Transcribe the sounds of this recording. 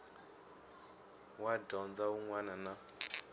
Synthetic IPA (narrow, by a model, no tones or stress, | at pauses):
wadɔnd͡zauŋwanana